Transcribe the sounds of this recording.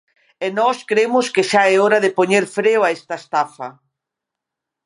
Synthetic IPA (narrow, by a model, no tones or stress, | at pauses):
ɛnɔskɾemʊskɪʃaɛɔɾɐðɪpoɲeɾfɾewaest̪ɐest̪afɐ